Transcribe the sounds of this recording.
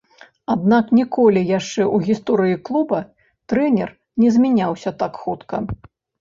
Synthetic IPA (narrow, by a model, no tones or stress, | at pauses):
ad̪naknʲikɔlʲijaʂt͡ʂɛʔuɣʲist̪ɔɾɨjiklˠubɐ | t̪ɾɛnʲɛ̰r | nʲɛzʲmʲɛnʲawsʲɐt̪akxut̪kɐ